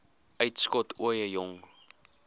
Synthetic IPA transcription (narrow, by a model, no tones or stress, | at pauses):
ʔœɥtskɔtʰuəjəjɔŋ